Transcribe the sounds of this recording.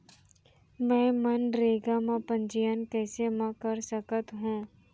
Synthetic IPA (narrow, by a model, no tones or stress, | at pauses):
mɛ̃ːmənɾeːɡamãpə̃ɲd͡ʒijənkɛːsemãkəɾsəkət̪ɦũː